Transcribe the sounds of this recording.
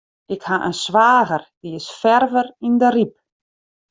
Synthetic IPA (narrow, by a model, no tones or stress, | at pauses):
ɪkhaʔə̰nsʋaːɣərd̥iɪsfɛrvərindərip̚